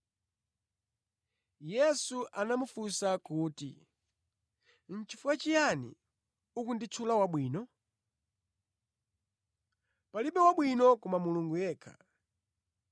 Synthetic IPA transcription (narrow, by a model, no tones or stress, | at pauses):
jɛsuʔanamufusakuːtḭ | n̩t͡ʃifuwat͡ʃijanḭ | ukundit͡sʰulawaɓwiːnɔ | paliɓɛwaɓwinɔkɔmamuluŋɡujɛːkʰḁ̰